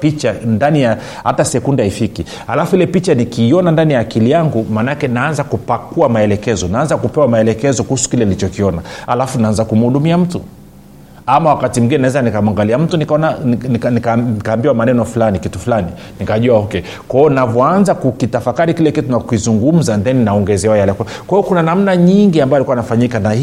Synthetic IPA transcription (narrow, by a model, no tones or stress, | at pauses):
pit͡ʃandanija | ha̰tasɛkundahifiki | ha̰lafuilɛpit͡ʃanikiːɔnandanijaːkilijaŋɡumanakɛnaanzakupakuamaɛlɛkɛzɔnaanzakupɛwamaɛlɛkɛzɔkuhusu̥kilɛalit͡ʃɔkiɔnaha̰lafunaanzakum̩uhuɗumiam̩tṵ | amawakatim̩ɡinɛnaɛzanikamuaŋɡaliam̩tunikaɔnaniknikaikaːmbiwamanɛnɔfulanikitufulani | nikaʄuahɔkɛ | kwaɔnavɔanzakukitafakaɾikilɛkitunakuizuŋɡum̩zandɛninaɔŋɡɛzɛwɔjalɛkakwaiɔkunanam̩naɲiŋɡiambajalikuwainafaɲikana